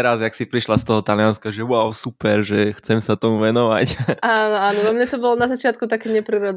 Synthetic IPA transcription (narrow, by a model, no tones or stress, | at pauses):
ɛɾazjaksipɾiʃlast̪ɔɦɔt̪alianskaʒɛʋʊaʊsupɛɾʒɛxt͡sɛmsat̪ɔmuʋɛnɔʋacaːnɔaːnɔamɲɛt̪ɔbɔlɔnazat͡ʃɪat̪̚kut̪akɛːɲɛpɾiɾɔd͡z